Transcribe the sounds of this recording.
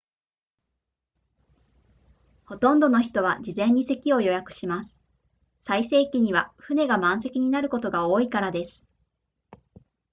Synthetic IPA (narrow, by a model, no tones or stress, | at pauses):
ho̞t̪õ̞nd̪o̞no̞çi̥t̪o̞βad͡ʑizẽ̞ɲ̟ːise̞kʲio̞jo̞jakɯ̟̥ɕimasɨ̥ | saise̞ːkʲiɲ̟iβaɸɯ̟ne̞ɡamãɰ̃se̞kʲiɲ̟inaɾɯ̟ko̞t̪o̞ɡao̞ːikaɾad̪e̞sɨ̥